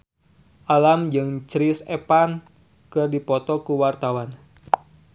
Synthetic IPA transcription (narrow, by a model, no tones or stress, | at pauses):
ʔalamd͡ʒɨŋt͡ʃɾisḛpan | kɨrdipɔt̪ɔkuwart̪awan